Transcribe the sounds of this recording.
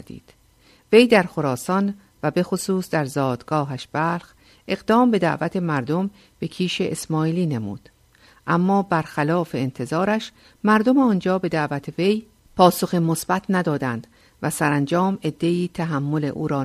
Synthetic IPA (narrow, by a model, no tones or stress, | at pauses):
d̪ḭːd̪̥ | ve̞jd̪æɾxo̞ɾɒːsɒn | væbe̞xosuːsd̪æɾzɒːd̪̥ɡɒːɦæʃb̥æːlx | ʔe̞ɣd̪ɒːmbe̞d̪æ̰ʔvæt̪ʰe̞mæɾd̪o̞m | b̥e̞kʰiːʃe̞ʔesmɒːiːliːne̞mṵːd̪̥ | ʔæmːɒːbæɾxælɒːfe̞ːnt̪ʰe̞zɒːɾæʃ | mæɾd̪o̞meɒːnd͡ʒɒːbe̞d̪æʔvæt̪ʰeve̞j | pʰɒːso̞ximosb̥æt̪ʰnæd̪ɒːd̪ænd̪̥ | væsæɾænd͡ʒɒːme̞d̪ːe̞iːt̪ʰæɦæmːo̞le̞̰ʔuːɾɒː